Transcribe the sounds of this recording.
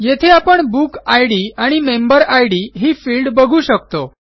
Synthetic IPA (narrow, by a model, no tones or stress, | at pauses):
jet̪ʰeapəɳbukajɽiaɽ̃imembəɾajɽiɦiːfiːlɖbəɡʱuːɕək̚t̪o